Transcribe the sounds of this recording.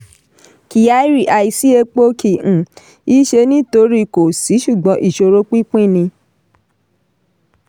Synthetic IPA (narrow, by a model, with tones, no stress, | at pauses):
ki˨ja˦i˦ɾi˦˨ʔa˧i˧si˦e˧k͡po˦kĩ˧˨ | i˦ʃe˧nĩ˦to˧˦ɾi˦ko˨si˨˦ʃu˦˨ɡ͡bɔ̃˨˧˦ʔi˦˨ʃo˧ɾo˦k͡pi˦k͡pĩ˦˨nĩ˧